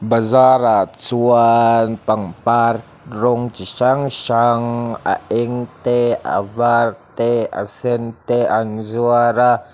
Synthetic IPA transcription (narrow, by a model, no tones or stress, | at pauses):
bazaɾat͡suanpaŋpar | ɾʊŋt͡ʃiʃaŋʃaŋa̰ʔiŋt̪ea̰vart̪ea̰sɛnt̪eanzuaɾa